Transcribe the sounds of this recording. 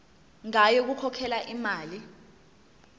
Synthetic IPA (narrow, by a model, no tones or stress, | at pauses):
ŋajɔk̬ukʰɔkʰɛlaʔimaːli